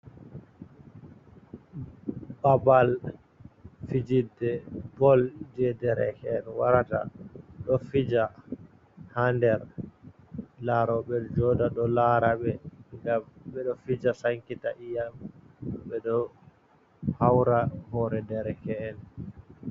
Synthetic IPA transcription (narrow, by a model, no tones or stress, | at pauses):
babal | fid͡ʒidɛbɔld͡ʒɛdɛɾɛ̰kɛːnwaɾata̰ɗɔfid͡ʒa | handɛɾ | laɾɔɓɛd͡ʒɔdaɗɔlaɾaɓɛŋɡamɓɛɗɔfid͡ʒasaŋkitaʔijam | ɓɛɗɔ | hawɾahɔɾɛdɛɾɛkɛɛn